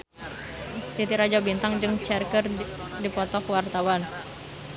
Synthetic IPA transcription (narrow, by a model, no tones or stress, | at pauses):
t̪it̪iɾad͡ʒabint̪aŋd͡ʒəŋt͡ʃɛrkərdipɔt̪ɔkwart̪awan